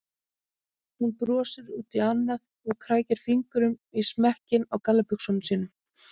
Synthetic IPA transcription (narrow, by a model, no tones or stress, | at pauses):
hunpɾɔːsɪɾuːt̪ianːað | ɔɣkʰɾaːjcɪɾ̥fiŋkʏɾʏmismɛhcɪnawkalːapʏksɔmsiːnʏm